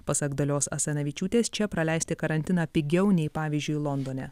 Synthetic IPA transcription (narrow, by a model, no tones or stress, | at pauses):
pɐsɐɡd̪ɐlʲoːsɐ̰sʲɐnʲɐʋʲit͡ʃʲuːt̪ʲeːst͡ʃʲɛpɾɐlʲɛɪst̪ʲɪkɐɾɐnʲt̪ʲɪnɑːpʲɪɡʲɛʊnʲɛɪpɑːʋʲiːzʲd͡ʒʲʊjlˠɔnd̪oːnʲɛ